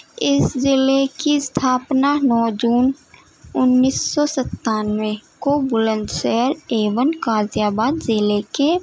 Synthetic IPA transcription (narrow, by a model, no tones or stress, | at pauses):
ɪszɪlekist̪ʰaːpnanɔːd͡ʒuːn | ʊnːiːsːɔsət̪ːaːnʋẽkobʊlə̃nd̪ʃɛɦəɾeːʋənkaːzjaːbaːd̪zɪleke